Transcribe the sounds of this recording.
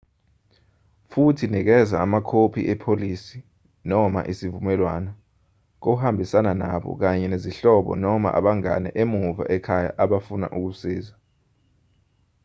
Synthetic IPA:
futʰinik̬ɛzaːmakʰopʰḭʔɛpʰolisi | nɔma̰ʔisivumɛlwana | k̬ohambʱisananaɓɔ̰k̬aɲɛneziɬɔɓɔ̰nɔma̰ʔa̰ɓaŋa̰nɛ̰ʔemuva̰ʔɛkʰaja̰ʔaɓafuna̰ʔuk̬usiːza

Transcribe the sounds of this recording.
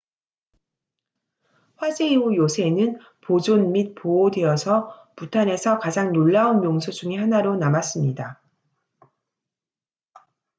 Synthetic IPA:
ɸwad͡ʑe̞iujosʰe̞nɯn | pod͡ʑonmit̚poodeʌsʰʌputʰane̞sʰʌkad͡ʑaŋnoɭːaunmjoŋsʰod͡ʑuŋihanaɾonamas͈ɯmɲida

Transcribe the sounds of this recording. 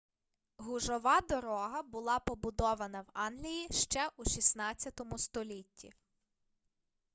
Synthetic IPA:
ɦʊʒɔʋɑd̪ɔɾɔɦɐbʊlˠɑpɔbʊd̪ɔʋɐnɐwɑnɦlʲijiʃt͡ʃɛʔuʃisnɑt͡sʲjɐt̪ɔmʊst̪ɔlʲitʲːḭ

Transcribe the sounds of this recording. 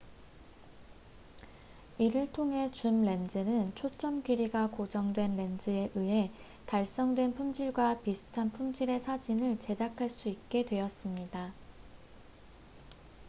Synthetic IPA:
iɾɯɭtʰoŋɦe̞t͡ɕumɾe̞nd͡ʑɯnɯnt͡ɕʰot͡ɕ͈ʌmɡiɾiɡakod͡ʑʌŋdwe̞nɾe̞nd͡ʑɯe̞ʔɯe̞ | taɭs͈ʌŋdwe̞npʰumd͡ʑiɭɡwapisʰɯ̥tʰanpʰumd͡ʑiɾe̞sʰad͡ʑinɯɭt͡ɕe̞d͡ʑakʰaɭs͈uik̚k͈e̞dwe̞ʌs͈ɯmɲida

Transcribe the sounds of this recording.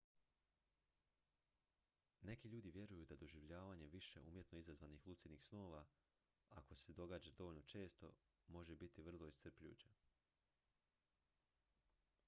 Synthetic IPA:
ne̞kiʎuːd̪iʋje̞ɾujud̪ad̪o̞ʒiʋʎaːʋaːɲe̞ʋiʃe̞̰ʔṵːmje̞t̪noizazʋaːnixlˠut̪sinixsno̞ːʋa | a̰ko̞se̞d̪o̞ɡaːd͡ʑad̪o̞ʋoʎno̞t͡ʃe̞ːst̪o̞̰ | mo̞ʒebit̪iʋr̩lˠo̞isr̩pʎʲṵːt͡ɕe

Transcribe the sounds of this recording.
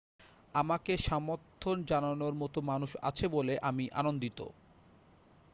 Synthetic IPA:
amakeʃamoɾt̪ʰːond͡ʑananoɾmɔt̪omanuʃa̰t͡ɕʰeboleʔamiʔa̰nond̪it̪o̰

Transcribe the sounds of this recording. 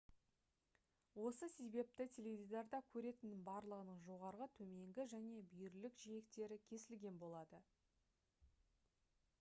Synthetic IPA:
wo̞səse̞be̞p̚t̪ɪt̪ʲʰe̞levʲid̪ɑɾd̪ɑkʲʰɵɾe̞t̪ɪnːɪŋbɑɾlˠəʁənəɴʒo̞ʁɑɾʁət̪ʰɵme̞ŋɡʲɪʒæne̞bʏjɪɾlɪkʒije̞k̚t̪e̞ɾɪkʲʰe̞sɪlɡʲe̞nbo̞lˠɑd̪ə

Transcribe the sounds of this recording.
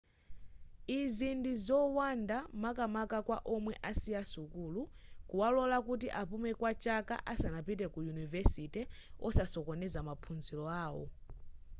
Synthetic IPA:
izindizɔwandamakamakakwa̰ʔɔmwɛʔasiasukulukuwalɔlakut̬iʔapumɛkwat͡ʃaka̰ʔasanapit̬ɛkujunivɛsitɛɔ̰sasɔkɔnɛzamapʰunzilɔaːwɔ̰

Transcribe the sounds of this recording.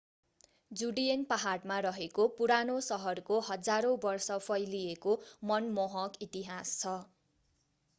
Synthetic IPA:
d͡zuɽienpaɦaɽmaɾʌɦekopuɾanosʌɦʌrkoɦʌd͡zaɾõbʌrsʌpʰʌjliekomʌnmoɦʌkit̪iɦast͡sʰʌ

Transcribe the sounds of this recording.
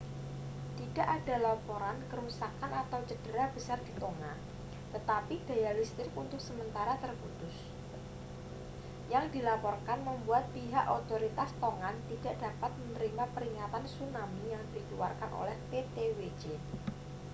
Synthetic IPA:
t̪id̥a̤ʔada̤lapoɾankəɾusakanat̪awt͡ʃəd̥əɾab̥əsard̪̥i̤t̪oŋa | t̪ət̪apid̥a̤jalist̪ɪkunt̪ʊk̚səmənt̪aɾat̪ərkut̪ʊs | jaŋd̪ilapɔrkanməmbuat̪̚piɦaʔot̪oɾit̪ast̪oŋant̪id̥a̤ʔd̥a̤pat̪̚mənɾimapəɾiŋat̪ansunamijaŋd̥ikiwa̰rkanʔo̰lɛhpet̪ewe̥d͡ʒe

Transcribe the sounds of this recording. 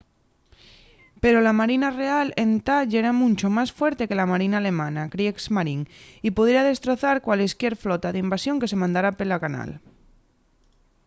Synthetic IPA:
pe̞ɾolamaɾinare̞ale̞nt̪aʎeɾamũnt͡ʃomasfweɾt̪e̞ke̞lamaɾinaːle̞manakɾieksmaɾiŋipuðjeɾað̞e̞st̪ɾo̞θaɾkwaleskje̞ɾflot̪aðeimbasjo̞ŋke̞se̞mãnd̪aɾapelakana̰l

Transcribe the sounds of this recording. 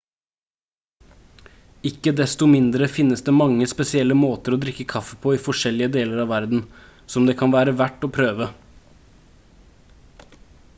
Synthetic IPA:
ɪkːəd̪ɛst̪ʊmɪnd̪ɾəfɪnːəsd̪eːmɑŋːəspɛsɪɛlːəmoːt̪əɾoːd̪ɾɪkːəkʰɑfəpʰoːiːfɔʂɛlɪəd̪eːləɾɑːʋæɾd̪n̩ | sɔmd̪eːkʰɑnʋæːɾəʋæʈːoːpʰɾøːʋə

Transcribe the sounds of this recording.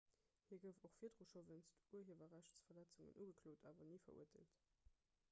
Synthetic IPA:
hiːɐɡəʊfoχfiːɐdʁoʃovənstuəɐɦeːvɐʁæʃtsfɐlæt͡suŋə̰nʔuːɡəkʰloːtʰaːvɐniːfɐ̰ṵɐtə̰lt

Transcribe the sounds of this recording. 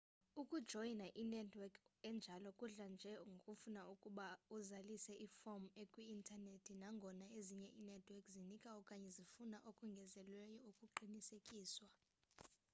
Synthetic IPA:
ukʼud̥ʒ̥ʱɔinaʔinɛdwɛkɛnd͡ʒʱalɔkʼuɮand͡ʒʱɛŋɡʱokʼufunaukʼuɓauzalisɛʔifɔmekʼwiːntʰʼanetʰinaŋɡʱɔnaeziɲɛʔinɛdʰʱwɛkʼzinikʼaɔkʼaɲɛzifunaʔokʼuŋɡʱɛzɛlwɛjɔukʼuǃinisekʼiːswa

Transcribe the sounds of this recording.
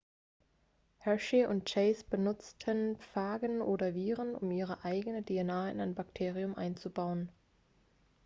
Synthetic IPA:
hɛʃiʔʊnt̚t͡ʃɛɪsb̥ənʊt͡stʰənpp͡faːɡənʔoːdɐviːʁənʔʊ̰mʔiːʁ̞əʔaɪɡənədienaːɪ̰naɪnbaktʰeːʁ̞iʊmʔa̰ɪnt͡subaʊən

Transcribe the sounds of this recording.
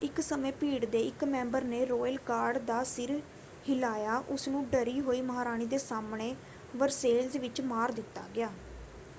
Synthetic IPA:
ɪksəmẽːpiːɽd̪eːɪkmɛ̃ːmbəɾnẽːɾoːjəlkaːɾɖd̪aːsɪɾ | hɪlaːjaːʔʊsnũːɖəɾiːɦoːiːməɦaːɾaːñiːd̪eːsaːmɳeː | ʋəɾseːlzʋɪt͡ʃmaːɾd̪ɪt̪ːa̰ːɡɪjaː

